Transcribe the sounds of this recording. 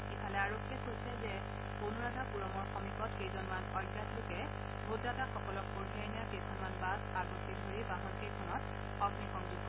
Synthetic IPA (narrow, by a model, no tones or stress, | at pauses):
ikʰalɛaɹokʰːiɛkʰosɛzɛ | kunɹaɡʱapuɹɔmɔɹxɔmikɔtkejzɔnmanɔjɡjatlʊkɛ | bʱudataxɔkɔlɔkxoɹɡʱiajnijakejkʰɔnmanbasaɡɔtʰidʱoɹibaɦɔnkejkʰɔnɔt̚ | ɔɡnixɔŋzuɡɔ